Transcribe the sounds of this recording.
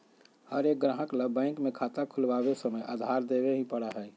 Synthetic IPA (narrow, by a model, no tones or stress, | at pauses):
həɾek̚ɡɾãːɦəkləbɛ̃ɪŋkmekʰat̪akʰʊlʋabesəməjʔa̰d̪ʱaɾd̪ebeɦĩpəɽaɦɛː